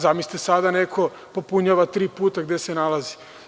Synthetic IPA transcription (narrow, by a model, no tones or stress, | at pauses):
zamisi̥t̪esad̪anekʰo | po̞puɲaʋat̪ɾiːpuːt̪aɡd̪esenalazi̥